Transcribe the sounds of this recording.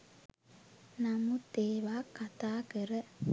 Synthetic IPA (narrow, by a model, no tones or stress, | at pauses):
nɐmut̪eːʋaːkːɐt̪aːkeɾə